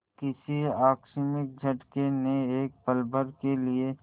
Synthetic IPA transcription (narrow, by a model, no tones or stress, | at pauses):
kɪsiaːkʃɪmɪk̚d͡ʒʱɐʈkeneeːk̚pəlbəɾkelie